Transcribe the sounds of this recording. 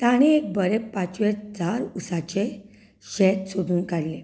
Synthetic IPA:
t̪aɽ̃iek̚bəɾepãt͡ɕʋed͡zaɾusat͡ɕe | ɕɛt̪sod̪uːnkaɽle

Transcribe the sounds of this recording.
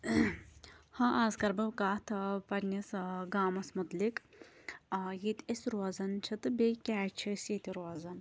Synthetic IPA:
hɐʔaːzkɐɾbɐwkaːt̪ʰɨpɐɾʲnʲisɡaːmɐsmud̪lik | jit̪ʲesɾoːzɐnt͡ʃʰɐt̪ɨbekʲɛːt͡ʃʰisjit̪ʲiɾoːzɐn

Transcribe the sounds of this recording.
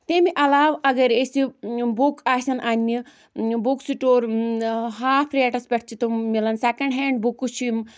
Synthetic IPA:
t̪emiʔɐlaːʋɐɡɐɾesibukaːsɐnanʲːi | buksiʈoːɾ | ɦaːpʰɾieːʈɐspʲɐʈʰt͡ʃʰit̪umilɐnsekɐ̃ɳɖɦeːɳɖ̚bukːut͡ʃʰim

